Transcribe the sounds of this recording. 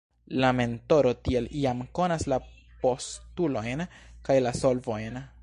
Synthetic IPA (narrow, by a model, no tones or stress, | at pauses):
lame̞nto̞ɾo̞tie̞liamko̞nasla | po̞stulo̞jnkajlaso̞lvo̞jn